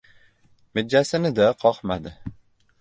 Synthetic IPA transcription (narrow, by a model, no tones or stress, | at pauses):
mɪd͡ʒːasɪnɪd̪aqʰɒqmad̪ɪ